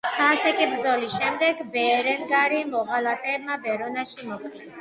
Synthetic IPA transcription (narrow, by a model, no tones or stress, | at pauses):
sʰasɛkʼibɾd̪zɔlisʃɛmd̪ɛɡbɛɾɛnɡaɾimɔɣalat̪ʼɛːb̚mabɛɾɔnaʃimɔk̪̚ʰʼ